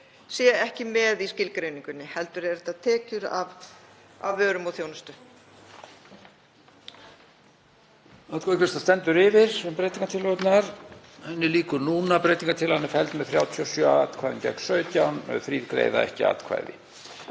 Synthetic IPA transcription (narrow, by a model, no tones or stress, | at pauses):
sjɛɛhcɪmɛðiscɪlkɾejnĩŋkʏnːɪhɛlt̪ʏɾɛɾt̪aðt̪ʰɛːcʏɾa̰v | a̰vːœːɾʏmɔθjownast̪ʏ | at̪kʰɛcvɪst̪ast̪ɛnt̪ʏɾɪvɪɾ̥sɛmpɾejt̪iŋkat̪ʰɪlɔt̪naɾ | hɛnːɪliːkʏɾnuːnapɾejt̪iŋkaɾt̪ʰɪlhanːɪfɛlt̪mɛðθɾjaːwt̪ʰiɔsjœa̰ːt̪kʰvajðɪncɛ̰kn̥sœːɥt̪jawnœ̰ðθɾiːðkɾḛːjða̰ɛ̰hcɪ̰a̰ːt̪kʰva̰jðɪ̰